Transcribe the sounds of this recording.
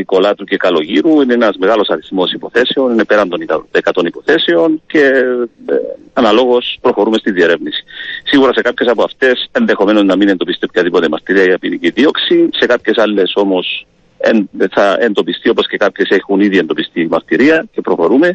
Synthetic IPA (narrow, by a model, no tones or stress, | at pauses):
iko̞lɐt̪uce̞kɐlo̞ʝiɾuineenɐzme̞ɣalo̞sɐɾiθmo̞sipo̞θe̞seoninepe̞ɾɐnd̪o̞nikɐekɐt̪o̞nipo̞θe̞seo̞nce̞ | ɐnɐlo̞ɣo̞spɾo̞xo̞ɾume̞st̪iðie̞ɾe̞vnisi̥siɣuɾɐse̞kapçe̞sɐpoɐft̪e̞se̞nðe̞xo̞me̞no̞znɐminend̪o̞pist̪iopçɐðipo̞t̪emɐɾt̪iɾiɐʝɐpiniciðio̞ksise̞kapçe̞salːe̞so̞mo̞s | ḛnθɐend̪o̞pist̪io̞po̞sce̞kapçe̞se̞xuniðie̞nd̪o̞pist̪imɐɾt̪iɾiɐce̞pɾo̞xo̞ɾume̞